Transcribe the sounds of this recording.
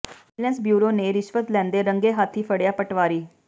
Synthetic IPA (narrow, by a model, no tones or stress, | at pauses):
lɛ̃nsbjuːɾoːneːɾɪʃʋət̪lɛ̃ːnd̪eːɾəŋɡeːɦat̪ʰɦiːpʰəɽjaːpəʈʋaːɾiː